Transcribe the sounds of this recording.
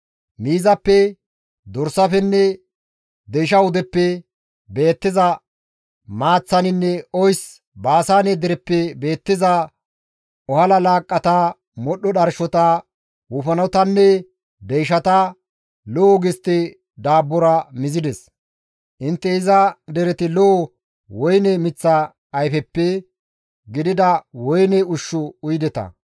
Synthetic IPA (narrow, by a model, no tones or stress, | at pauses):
miːzɐpːɛ | d̪ɔɾsɐfɛnːɛ | d̪ɛjʃ̬ɐwʊd̪ɛpːɛ | be̞ːt̪ːɪzɐ | maːt͡sːɐnɪnːɛɔjs | baːsaːned̪ɪɾɛpːɛbe̞ːt̪ːɪzɐ | ɔhɐlɐlaːkʼːɐt̪ɐ | mɔɗɔɗɐɾʃɔt̪ɐ | wufɐnɐwt̪ɐnːɛ | d̪ɛjʃɐt̪ɐ | lɔʔɔɡɪst̪ːɛ | d̪aːbːɔɾɐmɪzɪd̪ɛs | ʔɪnt̪ːɛɪzɐd̪ɛɾɛt̪ɪlɔɔ | wɔjnɛmɪt͡sːɐː | jfɛpːɛ | ɡɪd̪ɪd̪ɐwɔjnɛʊʃːʊʊjd̪ɛt̪ɐ̰